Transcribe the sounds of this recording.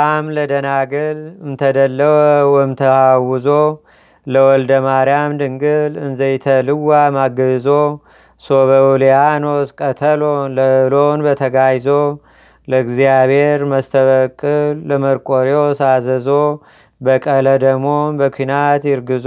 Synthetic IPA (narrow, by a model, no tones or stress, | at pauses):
kʼamləd̪ənaɡɨlɨnt̪ʰəd̪əlːəwəwɛmt̪ʰəhawɨzo̞ | ləwɔld̪əmaɾijamd̪ɨŋɡɨlɨnzəjt̪ʰəlɨwːamaɡəzo̞ | soβəuljanoskʼət̪ʰəlonləɨlonbət̪ʰəɡajzo | ləɨɡzijabhe̞ɾməst̪ʰəβəkʼɨːəməɾkʼoɾjosazəzo̞ | bəkʼələd̪əmonbəkʷʰinat̪jɪɾɡɨz